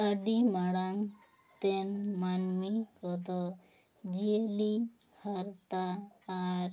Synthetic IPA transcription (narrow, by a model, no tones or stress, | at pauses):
əɖimaɽam | t̪ɛnmanmikɔd̪ɔ | d͡ʒieli | haɾt̪aː | ɾ